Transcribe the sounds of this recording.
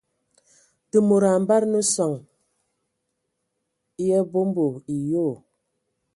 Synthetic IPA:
tə˨mo˨ɾa˨m˦ba˦ɾnə˦sɔ˨ŋ˦ | jɛ˦bo˦m˦bo˨i˨jo˦˨

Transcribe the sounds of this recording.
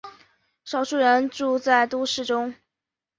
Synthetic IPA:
ʂɑ˨˩ʊʂu˥˩ɻə˧˥nʈ͡ʂu˥˧t͡sa˥˩ɪt̪u˥ʂɻ̩˥˩ʈ͡ʂʊ˥ŋ

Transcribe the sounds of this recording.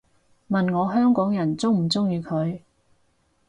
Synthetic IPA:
mɐ˨nŋɔː˨˧ɦœː˥ŋkɔː˨˥ŋjɐ˨˩nt͡sʊ˥wm̩˨˩t͡sʊ˥ŋjyː˨˧kʰɵ˨˧ɥ

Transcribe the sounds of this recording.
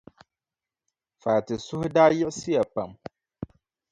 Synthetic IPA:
faː˨tɪ˨sʊ˦hda˦jɛ˦si˦a˨pã˨m

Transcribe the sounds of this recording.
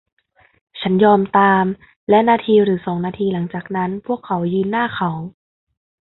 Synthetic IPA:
t͡ɕʰa˦˥njɔː˧mt̪aː˧m | lɛ˦˥ʔnaː˧t̪ʰiː˧ɾɯː˩˦sɔː˩˦ŋnaː˧t̪ʰiː˧la˩˦ŋt͡ɕaː˨˩k̚na˦˥npʰu˥˩əkʰːa˩˦wjɯː˧nːaː˥˩xʰa˩˦w

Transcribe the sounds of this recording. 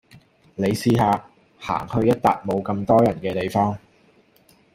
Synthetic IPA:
le˨˧jsiː˧ɦaː˨˧ | ha̰ː˨˩ŋhɵ˧ɥjɐ˥t̚t̪aː˨k̚mo˨˧wkɐ˧mt̪ɔː˥jɐ˨˩nkɛː˧t̪e˨jfɔː˥ŋ

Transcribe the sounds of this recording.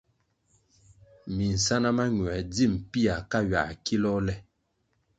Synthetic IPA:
mi˨n̩˨sa˦na˦ma˦ɲ˨ɛ˨d͡zi˦˨m̩˨pi˦a˨ka˦ɥa̰˨ki˦lɔ˦lɛ˦

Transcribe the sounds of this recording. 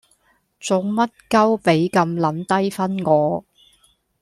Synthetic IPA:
t͡sʊ˨˧ŋmɐ˥t̚kɐ˥wpe˨˥jkɐ˧mlɐ˨˥nt̪ɐ˥jfɐ˥nŋɔː˨˧

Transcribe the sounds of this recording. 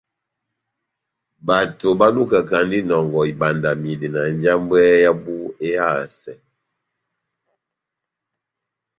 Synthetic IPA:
ba˨to˨ba˦lu˦ka˨ka˨ndi˦nɔ˨ŋɡɔ˨i˨ba˨nda˨mi˨di˨na˨n˦d͡ʒa˦mbɛ˦ja˦bu˦e˦ja˦˨sɛ˨

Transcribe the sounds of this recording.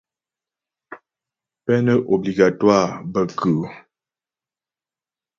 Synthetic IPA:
pɛ˦nə˦ʔo˨bli˨ɡa˨twa˦˨bə˨kʰə˨

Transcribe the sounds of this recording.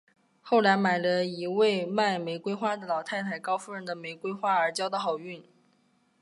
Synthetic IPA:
xo˥˩ʊla˧˥ɪma˨˩ɪlə˦i˧˥we˥˩ɪma˥˩ɪme˧˥ɪkwe˥ɪxwa˥d̪ə˩lɑ˨˩ʊt̪ʰa˥˩ɪt̪ʰa˧˩˥ɪkɑ˥ʊfu˥ɻə˥nd̪ə˨me˧˥ɪkwe˥ɪxwa˥ə˞˧˥t͡ɕjɑ˥ʊd̪ə˧xɑ˨˩ʊy˥˩n

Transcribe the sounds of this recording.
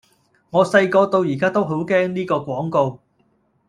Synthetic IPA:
ŋɔː˨˧sɐ˧jkɔː˧t̪o˧wjiː˨˩kaː˥t̪o˥wɦo˨˥wkɛː˥ŋniː˥kɔː˧kʷɔː˨˥ŋko˧w

